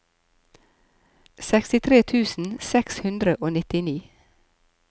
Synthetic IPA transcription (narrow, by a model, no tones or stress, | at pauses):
sɛkst̪ɪt̪ʰɾeːt̪ʰʉːsn̩sɛkshʉnd̪ɾəʔoːnɪt̪ɪniː